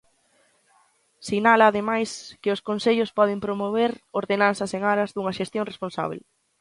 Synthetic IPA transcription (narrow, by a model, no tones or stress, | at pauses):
siɣnalɐːðemajskɪʊskonseʎʊspɔð̞ɪmpɾomoβ̞eɾoɾðenanθɐseŋaɾɐzðuŋɐʃest̪joŋresponsa̰βḛl